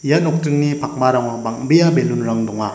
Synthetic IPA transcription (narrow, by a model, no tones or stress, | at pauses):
ijanɔk̚tɯŋnipʰak̚maɾaŋabaŋ̚bejabelunɾaŋdɔŋa